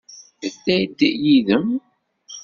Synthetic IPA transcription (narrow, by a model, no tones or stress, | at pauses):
əθːæjd̪ːiʔjiðəm